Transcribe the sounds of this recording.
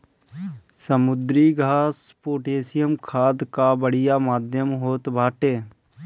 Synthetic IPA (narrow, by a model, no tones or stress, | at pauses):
səmʊd̪ɾiːɡʱaːspoːʈeːsɪjəmkʰaːd̪kabəɽɪjamaːd̪ʱjəmɦoːt̪bʱaːʈeː